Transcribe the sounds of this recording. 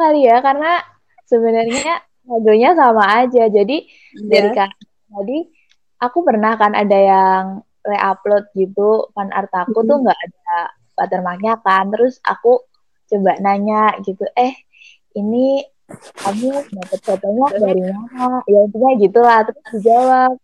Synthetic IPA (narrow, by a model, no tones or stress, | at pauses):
kalijakarəna | səbənərɲa | kadoɲasamaːd͡ʒad͡ʒadi | daɾika | t̪adi | ʔakupərnahkana̰dajaŋ | leʔaplɔt̪̚ɡit̪ukanʔa̰rt̪akut̪uhŋɡaʔada | pat̪ərmak̚ɲakant̪əɾʊsa̰ku | t͡ʃəbaʔnaɲaʔɡit̪uʔɛh | ini | kamindapət̪̚t͡ʃat̪oɲadaɾimamajaənt̪iɲaɡit̪ulaht̪əɾʊsdid͡ʒawap̚